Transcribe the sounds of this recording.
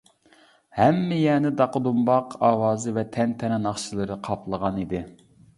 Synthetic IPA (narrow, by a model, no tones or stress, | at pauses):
hɛmːɪjɛːnɪd̪ɑqəd̪umbɑqʰɑːwɑːzɨvɛt̪ʰɛnt̪ʰɛnɛnɑχʃilˠɨɾɨqʰɑpʰlˠəʁɑnid̪ɪ